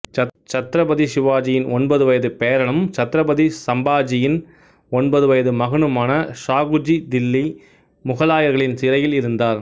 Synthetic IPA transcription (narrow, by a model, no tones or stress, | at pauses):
ɐt͡ʃɐt̪ɾɐbɐðisɪʋaːd͡ʒɪjɪnɔnbɐðɯʋɐjɐðɯpeːɾɐɳɐmt͡ʃɐt̪ɾɐbɐðisɐmbaːd͡ʒɪjɪn | ɔnbɐðɯʋɐjɐðɯmɐɣɐɳɯmaːnɐʂaːɣɯd͡ʒid̪ɪlːi | mʊɣɐlaːjɐɾɣɐɭɪnsɪɾɐjɪlɪɾɯnd̪aːɾ